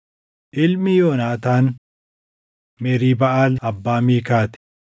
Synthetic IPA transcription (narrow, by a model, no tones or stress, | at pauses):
ʔɪlmɪjoːnaːt̪aːn | mɛːɾiːbɐʔaːlɐbːaːmiːkaːt̪